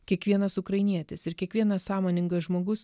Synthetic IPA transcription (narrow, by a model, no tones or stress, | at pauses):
kʲiɛkʋʲiɛnɐsʊkɾɐɪnʲiɛt̪ʲɪsɪɾkʲiɛkʋʲiɛnɐsɑːmoːnʲɪŋɡɐʒmoːɡʊs